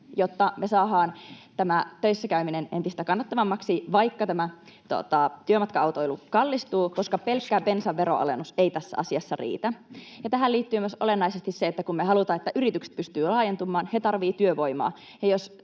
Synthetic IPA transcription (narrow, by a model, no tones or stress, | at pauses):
jot̪ːɑmesɑːɦɑːnt̪æmæt̪øisːækæyminene̞nt̪ist̪ækɑnːɑt̪ːɑʋɑmːɑksiʋɑikːɑt̪æmæt̪uo̰t̪ɑt̪yømɑt̪kɑɑwt̪oilukɑlːist̪uːkoskɑpelkːæːpe̞nsɑʋːeɾo̰ɑ̰lenuseit̪æsːæ̰ɑsiɑsːɑrḭːt̪æjɑt̪æɦæliːt̪ːyːmyøsʔolenːɑisest̪isseet̪ːækummeɦɑlut̪ɑːet̪ːæʔyɾit̪ykse̥t̪̚pyst̪yːlɑːjent̪umːˑɑːnhet̪ɑrʋiːt̪yøʋo̞imɑ̰ː | jɑjos